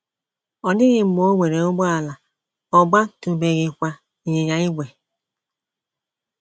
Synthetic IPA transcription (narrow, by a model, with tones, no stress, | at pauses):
ɔ˨nɪ˦ɣɪ˨m̩˨˦mo˦ŋʷe˨ɾe˨o˦ɡ͡bɔ˦a˨la˨ | ɔ˨ɡ͡ba˦tu˨be˨ɣɪ˨kʷa˨ | i˨ɲe˨ɲa˨i˦ɡʷe˨